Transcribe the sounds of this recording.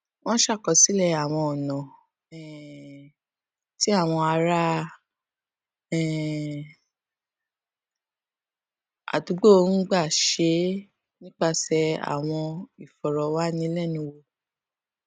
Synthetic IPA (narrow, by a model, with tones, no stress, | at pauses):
wɔ̃˦ʃa˦˨kɔ˨si˨˦lɛ˦˧a˨w̃ɔ̃˧ɔ˨nã˨ | ɛ˨ | ti˦a˦˨w̃ɔ̃˧a˧ɾa˦ | ɛ˨ | a̰˨du˨˦ɡ͡bo˦o˧n̩˦ɡ͡ba˦˨ʃe˨˦ | nĩ˦k͡pa˦˨sɛ˧a̰˨w̃ɔ̃˧i˨fɔ˨ɾɔ˨wa˦nĩ˦lɛ˦˨nũ˧˦wo˧